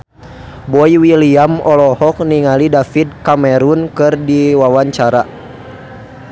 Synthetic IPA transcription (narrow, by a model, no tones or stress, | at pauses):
bɔiwiliamɔlɔhɔk̚niŋalidafid̚kamɛɾunkɨrdiwawaɲt͡ʃaɾa